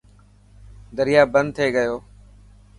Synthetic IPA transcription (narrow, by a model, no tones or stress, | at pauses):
d̪əɾɪjaːbənd̪̚t̪ʰeːɡəjoː